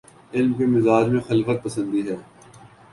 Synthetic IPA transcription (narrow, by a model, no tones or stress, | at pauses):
ɪlmkemɪzaːd͡ʒmẽxɐlfət̪̚pɐsə̃nd̪iɦɛː